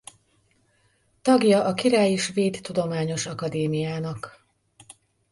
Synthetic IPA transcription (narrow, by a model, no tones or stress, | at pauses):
t̪ɒɡjɒʔɒkiɾaːjiʃʋeːt̪ːud̪o̞maːɲo̞ʃɒkɒd̪eːmijaːnɒk